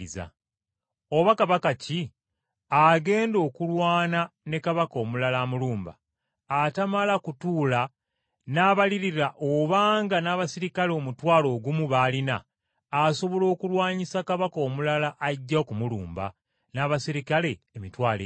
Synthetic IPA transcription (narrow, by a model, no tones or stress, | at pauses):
za̰ | oβakaβakaci | aɡe̞ːndo̞ːkulwaːnane̞kaβako̞ːmulalamuluːmba̰ | atamalakutuːla | naβaliɾiɾaʔoβaːŋɡanaːβasiɾikaleomutwaːlo̞ːɡumuβaːlinaː | so̞βo̞lo̞ːkulwaːɲisakaβako̞ːmulalaʔaɟːakumulṵːmba̰ | naːβasiɾikale̞ːmitwaːlḛ